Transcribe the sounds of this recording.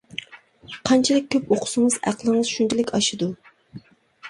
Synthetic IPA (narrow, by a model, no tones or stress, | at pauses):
qʰɑnt͡ʃʰilˠɪk̚ʲʰːøpoqʰʊ̥sɨŋɨzæ̰qlˠəŋɨzʃunt͡ʃʰilɪkʲɑʃɨd̪u